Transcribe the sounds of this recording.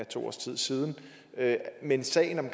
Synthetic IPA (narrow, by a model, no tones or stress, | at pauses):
æt͡sʰo̝̰ːɒ̰ːst͡sʰið̞̰ˠsiːð̞ˠn̩ | ømensɛ̰ɪn̩ɒ̽mkʰ